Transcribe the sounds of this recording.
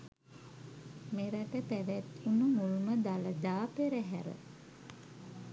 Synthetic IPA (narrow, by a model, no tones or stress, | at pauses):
meɾætəpæʋæt̪unumuluməd̪aləd̪aːpeɾəɦæɾə̰